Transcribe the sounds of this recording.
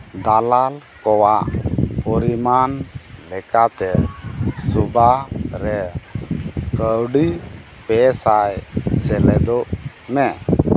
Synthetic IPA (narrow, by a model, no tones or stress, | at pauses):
d̪alalkɔwaʔpɔɾimanlɛkat̪ɛ | subaɾɛ | kəwɖi | pɛsajsɛlɛd̪ɔʔ | mɛ